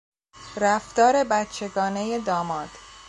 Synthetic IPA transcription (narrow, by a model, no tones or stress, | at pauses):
ɾæft̪ɒːɾe̞bæt̪t͡ʃʰe̞ɡɒːne̞jed̪ɒːmɒːd̪̥